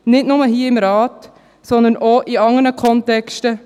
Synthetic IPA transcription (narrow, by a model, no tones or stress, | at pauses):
nɪtnʊməɦiːɐɪmɾɑːt | sɔnd̪ənʔoʔiɑŋənəkʰɔntɛkʃtə